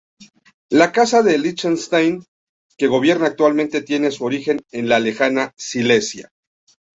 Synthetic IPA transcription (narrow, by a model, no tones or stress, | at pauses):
lakasaðe̞lit͡ʃenst̪ajn | ke̞ɣo̞β̞je̞ɾnaːk̚t̪walment̪e̞t̪je̞ne̞suo̞ɾixe̞ne̞nlale̞xanasile̞sja̰